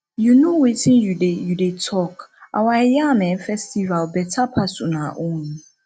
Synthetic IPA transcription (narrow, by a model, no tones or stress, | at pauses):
junõwetʰĩnjudejudetʰɔka̰waɛjamɛ̃fɛstʰivalbɛtʰapʰasʊnãʔʊ̃nũ